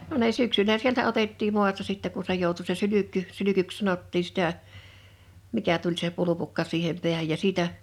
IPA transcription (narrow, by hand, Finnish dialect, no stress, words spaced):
no ne syksylæ sieltæ otetːiːm mu̞ɑstɑ sitːɛ ku se joˑutu se sylykːy sylykyks sɑnotːiː sĭtæ mikæ tulʲ se pulupukːɑ siːhem pi̞æhæj jɑ siːtæ